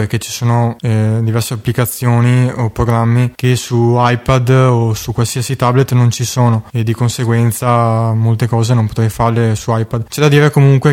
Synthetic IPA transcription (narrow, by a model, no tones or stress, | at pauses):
perket͡ʃi̥soːnoɛd̪ivɛrseapːlikat̪sːjoːniopɾoɡɾamːik̟esuajpad̪osukwalsiasit̪ablet̪ːnont͡ʃisoːnoed̪ːikonseɡwɛnt̪samolt̪ekɔːzenõmpot̪ɾɛjfarlesuajpad̪t͡ʃɛd̪ad̪iːɾekomuŋkwe